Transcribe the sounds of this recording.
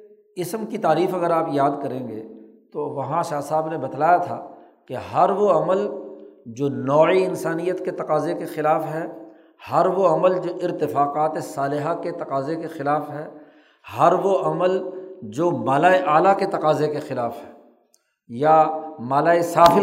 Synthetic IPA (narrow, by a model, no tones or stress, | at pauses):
ɪsmkit̪aːɾiːfɐɡəɾaːpjaːd̪kɐɾẽːŋɡḛː | t̪oʋɐɦãʃaːsaːbnebɐd̪laːjat̪ʰa̰ː | keɦɐɾʋoɐməld͡ʒoːnɔːiɪnsaːnijət̪ket̪ɐqaːzekexɪlaːfɦɛ | hɐɾʋoɐməld͡ʒoːʔɪɾt̪ɪfaːqaːt̪esaːlɪɦaket̪ɐqaːzekexɪlaːfɦɛː | hɐɾʋoʔɐməld͡ʒoːmaːlaːeʔaːlaket̪ɐqaːzekexɪlaːfɦɛː | jamaːlaːesaːfɪ